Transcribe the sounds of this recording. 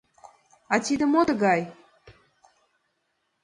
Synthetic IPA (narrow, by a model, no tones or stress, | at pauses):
ɑt̪ʲid̪ə̆mot̪əɡɑj